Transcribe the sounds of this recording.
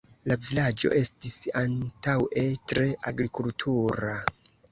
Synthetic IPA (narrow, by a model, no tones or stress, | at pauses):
lavilad͡ʒo̞̰ʔe̞stisantawe̞tɾe̞ʔaɡɾikultʰuɾa